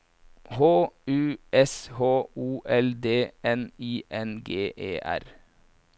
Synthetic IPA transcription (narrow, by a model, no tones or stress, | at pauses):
hoːʉːɛshoːuːʔɛld̪eːɛniːʔɛnɡeːʔḛːʔæ̰ɾ